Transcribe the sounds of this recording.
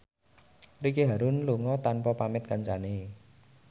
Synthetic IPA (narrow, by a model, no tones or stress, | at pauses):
rikeɦaɾʊnluŋɔt̪anpɔpamɪt̪̚kaɲt͡ʃane